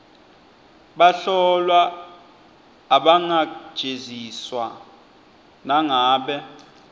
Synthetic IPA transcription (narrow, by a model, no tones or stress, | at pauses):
ɓaɬɔlwa | ɓaŋḁʒ̥ʱeziswa | naŋaːɓɛ